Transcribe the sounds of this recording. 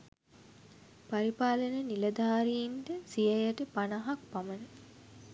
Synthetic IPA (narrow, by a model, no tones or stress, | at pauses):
paɾipaːlənənilɐd̪aːɾiinʈəsijɐjəʈəpanaɦak̚pamənə